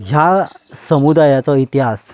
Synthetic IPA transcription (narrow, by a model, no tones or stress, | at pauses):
ɦjasəmud̪ajat͡sɔit̪iɦas